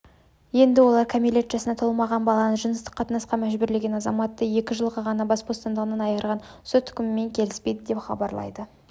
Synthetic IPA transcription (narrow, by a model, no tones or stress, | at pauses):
je̞nd̪ɪwo̞lˠɑɾkʲʰamilʲe̞t̪ʒ̥ɑsənɑt̪ʰolˠmɑʁɑnbɑlˠɑnəʒənəst̪ə̥qʰːɑt̪ənɑsqɑmæʒbʏɾle̞ɡʲe̞nɑzɑmɑt̪ːəje̞kʲɪʒəlˠʁɑʁɑnɑbɑsbost̪ɑnd̪əʁənɑnɑjəɾʁɑnsot̪ʰːʏ̥kʲɪmɪme̞ŋkʲʰe̞lɪspe̞jd̪ɪd̪e̞pχɑ̰bɑ̰ɾlˠɑ̰jd̪ə